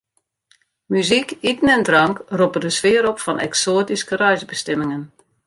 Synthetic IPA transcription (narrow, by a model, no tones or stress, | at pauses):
myzikitn̩ɛndrɑŋkrupədəsʋɪəɾɔpfɔnʔɛ̰ksoːətiskərœɥzbəstɛmɪŋən